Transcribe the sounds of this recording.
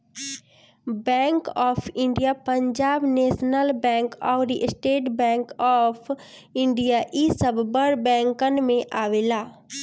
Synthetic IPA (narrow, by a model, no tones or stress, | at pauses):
bɛ̃ːŋkɔːfʰɪ̃ɳɖijapə̃ɲd͡ʒaːbneːʃnəlbɛ̃ːŋkɔːɾiʔsʈeːʈbɛ̃ːŋkɔːpʰ | ɪ̃ɳɖijaʔisəbbəɾbɛ̃ːŋkənmẽʔaːʋeːlaː